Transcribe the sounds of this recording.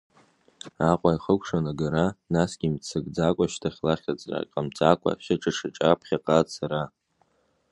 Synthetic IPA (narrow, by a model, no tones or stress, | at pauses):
aqʷʼaiχəkʷʰʂanaɡaɾanasɡʲimt͡sʰɨɡʼd͡zakʷʼaʃtʰaχʲlaχʲat͡sʼra̰kʼamt͡sʼakʷʼa̰ʃaʈ͡ʂʰʼaʈ͡ʂʰaʈ͡ʂʼapʰχʲaqʼasʰaɾa